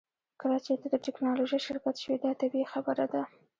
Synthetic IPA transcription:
kəlat͡ʃet̪ad̪əʈɪknɑloʒəjʃɪɾkat̪ʃəwid̪ɑt̪abexabəɾad̪a

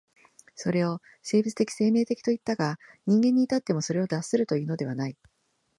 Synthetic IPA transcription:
so̞ɾe̞o̞ | se̞ːbit͡sɨ̥t̪e̞kʲi̥se̞ːme̞ːt̪e̞kʲi̥t̪o̞it̪ːaɡaɲ̟ĩŋɡẽ̞ɲ̟ːiːt̪at̪ːe̞mo̞so̞ɾe̞o̞d̪asɨɾɯ̟t̪o̞jiɯ̟ːno̞d̪e̞β̞anai

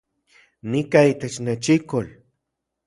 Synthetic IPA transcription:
nikait̪et͡ʃnet͡ʃikol

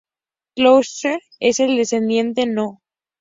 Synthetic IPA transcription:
klowseɾ | ese̞ld̪e̞sθe̞nd̪je̞nt̪e̞no

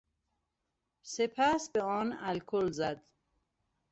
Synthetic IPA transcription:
sepʰæsbeɒːnælkʰolzæd̪

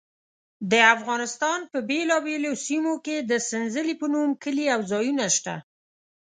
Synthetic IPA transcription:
d̪əafɣɑnɪst̪ɑnpəbelɑbelosimoked̪əsɪnzəlipənumkəliawzɑjunaʃt̪a̰

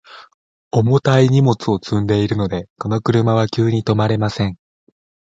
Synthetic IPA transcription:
o̞mo̞t̪aiɲ̟imo̞t͡sɨo̞t͡sɨ̃nd̪e̞iɾɯ̟no̞d̪e̞ko̞no̞kɯ̟ɾɯ̟maβ̞akʲɨːɲ̟it̪o̞maɾe̞masẽ̞ɴ

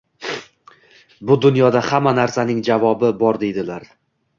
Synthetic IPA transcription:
bʊd̪ʊnjɒd̪ahamːanaɾsanɪŋd͡ʒavɒbɪbɒɾd̪e̞jd̪ɪlaɾ

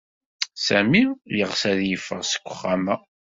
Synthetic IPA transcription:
sæmiləʁsæðjəfːəʁsə̥kʷːəχːamæ

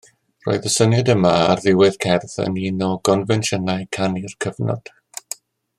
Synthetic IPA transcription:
ro̰ːɨðəsənjadəmaarðɪwɪð̥kʰɛrθə̰ninɔɡɔnvɛnʃənaɨkʰanirkʰəvnɔ̰d̥

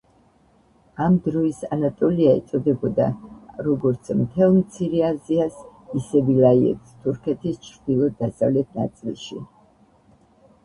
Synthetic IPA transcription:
amd̪ɾɔisanat̪ʼɔliaɛ̰t̪sʼɔd̪ɛbɔd̪a̰ɾɔɡɔɾt̪sʰmt̪ʰɛlˠmt̪sʰiɾɛaziasisɛvilaiɛ̰t̪st̪ʰuɾkʰɛt̪ʰist͡ʃʰɾd̪̥ilˠɔd̪asavlɛt̪̚ʰna̰t̪sʼilˠʃḭ

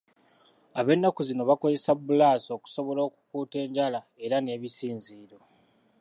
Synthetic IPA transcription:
aβe̞nːakuzino̞βako̞ze̞sabːulaːso̞ːku̥so̞βo̞lo̞ːku̥kuːte̞ːɲɟala | e̞ɾane̞ːβisiːnziːɾo̞

